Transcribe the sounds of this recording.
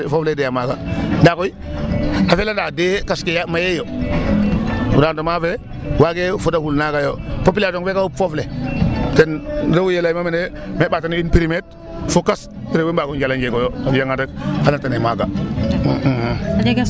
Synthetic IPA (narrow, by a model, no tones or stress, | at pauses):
fofledejamaɡandakoi | afelandadekaskejamajejo | uɾandomafe | waɡefudakulnaɡajopop̬ilatoŋfekaufofletenɾawujelajmamene | mebatanipiɾimet̚ | fukas | piɾewebaɡond͡ʒaland͡ʒeɡojoajaŋadakhalatanemaɡa